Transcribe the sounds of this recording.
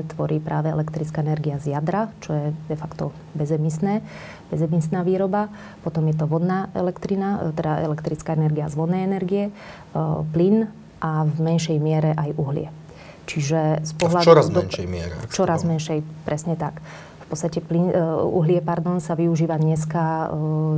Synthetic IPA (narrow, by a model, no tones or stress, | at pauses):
t̪ʋɔɾiːpɾʔaːʋɛɛ̰lɛkt̪ɾit͡skaːɛnɛɾɡiazjad̪ɾat͡ʃɔjɛd̪ɛfakt̪ɔ | bɛzɛmisnɛː | bɛzɛmisnaːʋiːɾɔba | pɔt̪ɔmjɛt̪ɔʋɔd̪naɛ̰lɛkt̪ɾinat̪ɛd̪aɛ̰lɛkt̪ɾit͡skaːɛnɛɾɡiazʋɔd̪nɛːɛnɛɾɡijɛ | plin | ʔavmɛnʃɛjmɪɛɾɛʔajuɦlɪ̰ɛ | t͡ʃiʒɛspɔɦlad̪ɔɾaznʃɛjmɪɛ̰ɾɛ̰ft͡ʃɔɾazmɛnʃɛjpɾʔɛsɲɛt̪ak | fpɔtt͡sst̪acɛplinṵɦlɪɛpaɾd̪ɔnsaʋiuʒiːʋad̪ɲɛska